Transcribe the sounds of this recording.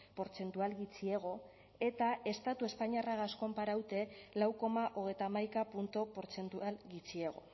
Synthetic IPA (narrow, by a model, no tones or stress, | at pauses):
po̞ɾt͡se̞nt̪ualɣit͡sieɣ̞o̞ | e̞t̪ae̞st̪at̪ue̞spaɲiaraɣasko̞mpaɾawt̪e̞lawko̞maʔoɣ̞e̞jt̪amajkapunt̪opo̞ɾt͡se̞nt̪ualɣit͡sie̞ɣ̞o̞̰